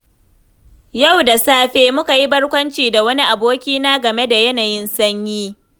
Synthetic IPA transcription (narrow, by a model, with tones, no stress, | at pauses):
ja˦˨wda˨saː˦ɸeː˦mʊ˦ka˨ji˦bɐ˦ɽkʷɐ˦nt͡ʃiː˨da˨wɐ˦ni˦ʔa˨boː˦kʲiː˦naː˦ɡɐ˨me˦da˨jɐ˦naː˨jɪ˦nsɐ˦ɲjiː˦